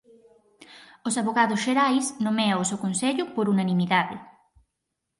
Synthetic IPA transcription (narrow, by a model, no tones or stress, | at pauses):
osaβoɣaðʊsʃeɾajsnõmɛaosewkonseʎʊpoɾunanimiðaðɪ̰